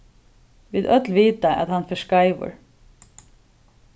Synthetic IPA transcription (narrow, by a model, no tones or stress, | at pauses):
ʋɪðœt̪lʋiːt̪aʔæ̰t̪hanfœʂkaɪʋə̰ɹ